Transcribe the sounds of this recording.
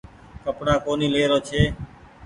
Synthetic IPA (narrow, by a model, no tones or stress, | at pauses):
kəpɳãːkoːniːleːɾoːt͡ʃʰeː